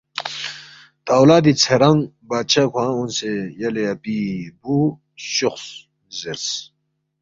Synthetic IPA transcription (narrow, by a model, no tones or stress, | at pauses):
t̪awlaːd̪it͡sʰeɾaŋ | baːt͡ɕʰakʷʰãːunsejɐleabibu | ɕuχs | zeɾs